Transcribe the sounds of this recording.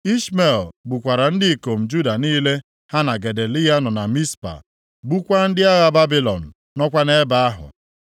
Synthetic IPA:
i˦sme˨lbu˨kʷa˨ɾa˨n̩˦dɪ˦i˨ko˨m̩˨d͡ʒu˦da˨niː˦le˦ | ha˦na˨ɡe˨de˨li˦ja˦nɔ˨na˨mi˦spa̰˨ | bu˦kʷa˦n̩˦dɪ˦a˦ɣa˦˨ba˦bi˦lɔ̰˨n̩˨ | nɔ˦kʷa˦ne˦ba˨a˦ɦʊ̰˨

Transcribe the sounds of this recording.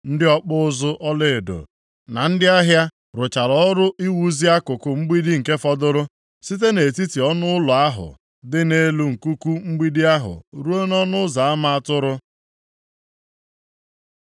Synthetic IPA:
n̩˦dɪ˦ɔ˦k͡pʊ˦ʊ˦zʊ˦ʔʔɔ˦lɪ˨do̰˨ | na˨n̩˦dɪ˦a˦ɦja˦ | ɾʊ˨t͡ʃa˨ɾɔ˨˦ɾʊ˦ʔi˦wu˦zi˦a˦kʊ˨kʊ˨ŋ͡m̩˦ɡ͡bi˦di˦ŋ̩˨ke˦fɔ˦dʊ˦ɾʊ˦ | si˦t̬e˦ne˨ti˦ti˨ɔ˦nʊ˦ʊ˦lʊ˨a˦ɦʊ̰˨ | dɪ˦ne˦lu˦ŋ̩˨ku˦ku˦ŋ͡m̩˦ɡ͡bi˦di˦a˦ɦʊ̰˨ɾu˦o˦nɔ˦nʊ˦za˨a˦ma˦a˦tʊ˦ɾʊ˦

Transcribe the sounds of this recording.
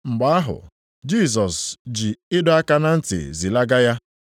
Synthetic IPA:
ŋ͡m̩˨ɡ͡ba˨˦a˦ɦʊ̰˨ | d͡ʒi˦˨s̬ɔ˨sd͡ʒi˨ɪ˦dʊ˦a˦ka˦na˦n̩˦tɪ̰˨zi˨la˦ɡa˦ja˦

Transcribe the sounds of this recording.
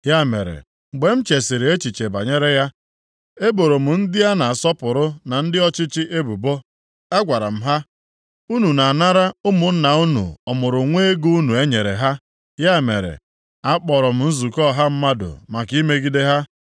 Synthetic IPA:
ja˦˨mḛ˨ɾḛ˨ | ŋ͡m̩˨ɡ͡be˨m̩˦t͡ʃe˨sɪ˨ɾɪ˨e˦t͡ʃi˨t͡ʃe˨ba̰˨ɲe˦ɾe˦ja˦ | e˦bo˨ɾo˨m̩˨n̩˦dɪ˦ja˦na˨a˨sɔ˦pʊ˨ɾʊ˦na˨n̩˦dɪ˦ɔ˦t͡ʃɪ˦t͡ʃɪ˦ʔe˦bu˨bo˦ | a˦ɡʷa˨ɾa̰˨m̩˨ɦa˦ | u˦nu˨na˨na˦ɾa˦ʊ˦mʊ˨n̩˦na˨u˦nṵ˨ɔ˨mʊ˨ɾʊ˨ŋʷeː˦e˦ɡu˦nu˨e˦ɲe˨ɾḛ˨ɦa˦ | ja˦˨mḛ˨ɾḛ˨ | a˦k͡pɔ˨ɾɔ˨m̩˨n̩˦zu˨kɔ˦˨ɦa˦m̩˦ma˦dʊ̰˨ma˨ki˦me˦ɡi˦de˦ɦa˦

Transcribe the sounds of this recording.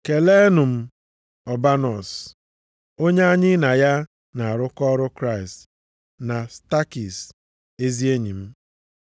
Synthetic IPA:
ke˨le˦nʊ˨m̩˦ | ɔ˨ba˦nɔ˨s | o˦ɲe˦a˦ɲɪ˦na˨ja˦ | na˨a˨ɾʊ˦kɔ˦ɾʊ˦kɾa˦˨ɪ˨st | na˨sta˦ki˨s | e˦zi˦e˦ɲi˨m̩˦

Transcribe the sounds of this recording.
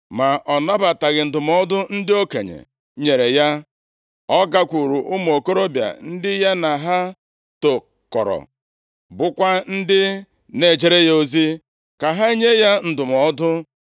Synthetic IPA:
ma˨ʔɔ˨na˦ba˨ta˨ɣɪ˨n̩˨dʊ˨mɔ˦dʊ˦n̩˦dɪ˦o˦kḛ˨ɲḛ˨ | ɲe˨ɾe˨ja˦ | ɔ˦ɡa˦kʷu˨ɾu˨ʔʊ˦m˨o˨ko˦ɾo˦bja̰˨n̩˦dɪ˦ja˦na˨ɦa˦ | to˨ | kɔ̰˨ɾɔ̰˨ | bʊ˦kʷa˦n̩˦dɪ˦ | ne˨d͡ʒe˦ɾe˦jo˦zi˦ | ka˨ɦa˦i˦ɲe˦ja˦n̩˨dʊ˨mɔ˨˦dʊ˦

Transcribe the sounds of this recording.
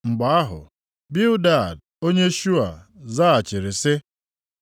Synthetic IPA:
ŋ͡m̩˨ɡ͡ba˨a˦ɦʊ̰˨ | bi˦ʊ˦da˦˨d | o˦ɲe˦ʃu˦a̰˨za˦a˨t͡ʃɪ˨ɾɪ˨sɪ˦

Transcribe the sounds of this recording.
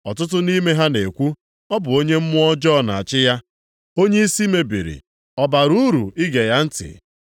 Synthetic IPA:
ɔ˨tʊ˦t̬ʊ˦ni˦me˦ɦa˦ne˨kʷu˦ | ɔ˦bʊ˨o˦ɲe˦m̩˦mʊ˦ɔ˦d͡ʒɔ˦˨na˨a˨t͡ʃɪ˦ja˦ | o˦ɲe˦i˦si˦me˦bḭ˨ɾḭ˨ | ɔ˨ba˨ɾu˦ɾu˨ɪ˦ɡe˨ja˦n̩˦tɪ̰˨

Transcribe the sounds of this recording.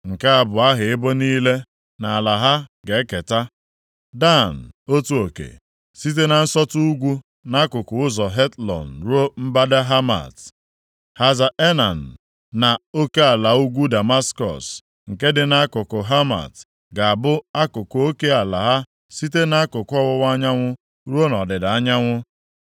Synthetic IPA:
ŋ̩˨ke˦a˨bʊ˨a˦ɦɪ˨ɪ˦bo˦niː˦le˦ | na˨a˨la˨ɦa˦ɡe˨˦ke˨ta˦ | da˦˨n̩˨o˦tu˦o˨kḛ˨ | si˦t̬e˦na˨n̩˦sɔ˦tu˦u˦ɡʷu˦ | na˦kʊ˨kʊ˨ʊ˦zɔ˨ɦe˦tlɔ̰˨n̩˨ɾo˦m̩˦ba˦da˦ɦa˦ma̰˨t | ha˨za˨e˦na˨n̩˨ | na˨o˦ke˦a˨la˨u˦ɡʷu˦da˨ma˦skɔ̰˨s | ŋ̩˨ke˦dɪ˨na˦a˦kʊ˨kʊ˨ɦa˦ma̰˨t | ɡa˨a˨bʊ˦a˦kʊ˨kʊ˨˦o˦ke˦a˨la˨ɦa˦ | si˦t̬e˦na˦a˦kʊ˨kɔ˦wʊ˦wa˦ɲa˦ŋʷʊ˦ | ɾu˦o˦nɔ˨dɪ˨da˨a˦ɲa˦ŋʷʊ˦

